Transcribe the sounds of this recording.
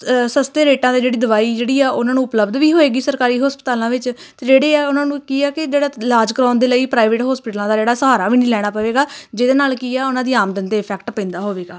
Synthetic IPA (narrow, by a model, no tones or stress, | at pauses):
səst̪eːɾeːʈãːd̪eːd͡ʒeːɽiːd̪əʋaːiːd͡ʒeːɽiːaːʔʊnãːnũːʊpləbd̪ʋiːɦoːeːɡiːsəɾkaːɾiːɦɔːspət̪aːlãːʋɪt͡ʃ | t̪eːd͡ʒeːɽeːɛːʊnãːnũːkiːɛːkɪd͡ʒeːɽaːlaːd͡ʒkəɾãːnd̪eːləiːpɾaːɪʋeːʈɦɔːspɪːʈlãːd̪aːd͡ʒeːɽaːsəɦaːɾaːʋiːnĩːlɛːɽ̃aːpəʋeːɡaːd͡ʒeːd̪eːnaːlkiːɛːʊnãːd̪iːaːmd̪ənt̪eːɪpʰɛːkʈpə̃ɪ̃nd̪aːɦoːʋeːɡaː